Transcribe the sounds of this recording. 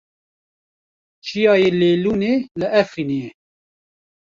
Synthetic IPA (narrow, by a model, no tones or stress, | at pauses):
t͡ʃʰijɑːjeːleːluːneːlɨʔɛfinije